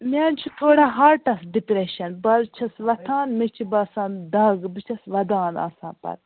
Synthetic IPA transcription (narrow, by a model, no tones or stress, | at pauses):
mʲaːnt͡ʃʰit̪oːɽaːɦaːɾʈɐsɖipɾeʃɐnbɐlt͡ʃʰɐsʋɐt̪ʰaːnmit͡ʃʰibɐːsaːnd̪ɐɡbɨt͡ʃʰɐsʋɐd̪aːna̰ːsaːnpɐ̰ɾ